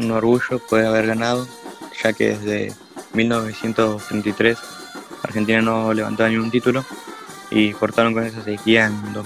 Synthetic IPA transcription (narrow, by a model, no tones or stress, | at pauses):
unoɾɣuʒopweðeaβe̞ɾɣanað̞o | ʃakḛðezðḛ | milnoβesje̞nt̪ost̪ɾent̪ajt̪ɾes | a̰ɾxent̪̬inanoleβa̰nt̪oanĩŋɡunt̪̬it̪ulo | ḭpoɾt̪aɾoŋkones̬asekiaend̪o